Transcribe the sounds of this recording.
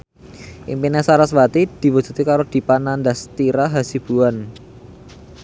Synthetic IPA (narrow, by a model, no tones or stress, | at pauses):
ʔḭmpinasaɾaswat̪id̪̥i̤wud͡ʒ̥ṳt̪ikaɾod̪̥i̤panand̪ast̪iɾaɦasib̥ṳan